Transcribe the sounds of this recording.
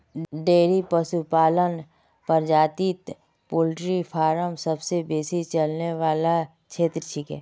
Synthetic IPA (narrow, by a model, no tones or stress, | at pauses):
ɖeːɾipəsupaːlən | pəɾd͡ʒaːt̪iːt̪ | poːlʈɾipʰaːɾəmsəbsebeːsit͡ʃəlneʋaːla | t͡ʃʰeːt̪ɾət͡ʃʰiːkɦɛ̰ː